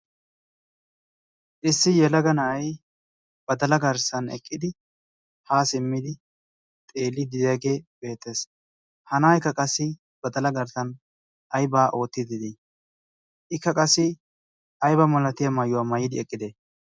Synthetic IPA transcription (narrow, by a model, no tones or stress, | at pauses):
ʔɪsːɪjɛlɐɡɐnɐɐj | b̥ɐd̪ɐlɐɡɐɾsɐnɛ̰kʼːɪd̪ɪ | haːsɪmːɪd̪ɪ | t̪ʼe̞ːlːɪd̪ɪjaɡe̞ːb̥e̞ːt̪ːe̞ːs | hɐnaːjkːɐkʼɐsːɪ | b̥ɐd̪ɐlɐɡɐɾsɐn | ʔɐjbaːʔo̞ːt̪ːɪd̪ɪd̪ɪ | ʔɪkːɐkʼɐsːɪ | ɐjbɐmɐlɐt̪ɪjɐmɐjːʊwaːmɐjɪd̪ɪɛkʼːɪd̪e